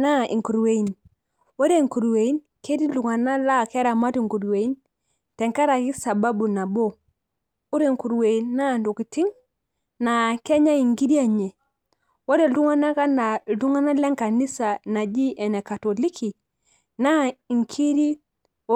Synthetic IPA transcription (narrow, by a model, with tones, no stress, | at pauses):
na˦ḭ˨ŋku˨ɾwe˨i˨n | wo˦ɾe˦ŋku˨ɾwe˨i˦nke˦ɾi˦lu˨ŋa˨na˦la˦˨kɛ˦ɾa˨ma˦ti˨ŋku˨ɾwe˨i˦n | tɛ˨ŋka˦ɾa˨ki˦sa˨ba˦bu˨na˨bo˦ | u˦ɾe˨ŋku˨ɾwe˨i˨nːa˦˨ndu˨ki˨ti˦ŋ | na˨kɛ˦ɲa˦i˨ŋɡi˦ɾi˦a˦ɲe˨ | wo˦ɾɛ˨du˦ŋa˦na˦ka˦na˨lu˦ŋa˦na˦lɛ˦ŋka˨ni˦sa˨na˨d͡ʒi˦ʔɛ˨nɛ˨ka˨tɔ˨li˦kʰi˨ | na˦i˨ŋkʰi˦ɾi˦